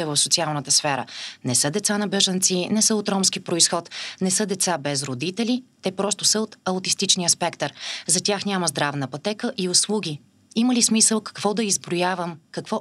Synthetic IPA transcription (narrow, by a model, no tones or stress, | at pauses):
ɛvəfsot̪sialˠnət̪əsfɛɾə̰nɛsɤd̪ɛt̪sanɐbɛʒənt̪sinɛsəot̪ɾɔmskipɾoisxɔt̪nɛsɤd̪ɛt̪sabɛzɾod̪it̪ɛlit̪ɛpɾɔst̪ʊsəot̪ɐʊt̪ist̪it͡ʃniəspɛkt̪əɾzɐt̪ʲaxnʲaməzd̪ɾavnəpɐt̪ɛkəʔiʊslˠuɡ̟ʲi | iməlismisəlˠkɐ̥kv̥ɔd̪ɐizbɾojavəmkɐkvɔ